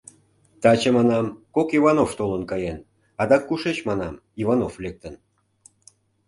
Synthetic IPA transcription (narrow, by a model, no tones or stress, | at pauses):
t̪ɑt͡ɕəmɑnɑmkokivɑnoft̪olənkɑjen | ɑd̪ɑkːuʃet͡ɕmɑnɑmivɑnoflek̚t̪ən